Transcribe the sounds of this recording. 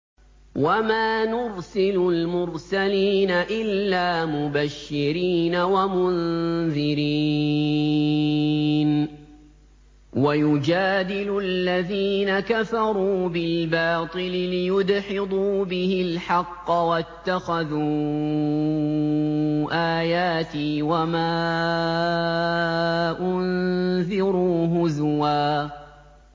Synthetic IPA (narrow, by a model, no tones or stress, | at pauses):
wamaːnʊɾsɪlʊlmʊɾsaliːnaʔɪlːaːmʊbaʃːɪɾiːnawamʊnðɪɾi | n | wajʊd͡ʒaːd̪ɪlʊalːaðiːnakafɑɾˤuːbɪlbɑːt̪ˤɨlɪlɪjʊd̪ħɪd̪ˤuːbɪhɪlħɑqːɑwat̪ːaxaðuː | ʔaːjaːt̪ɪwamaː | ʔʊnðɪɾuːɦʊzwaː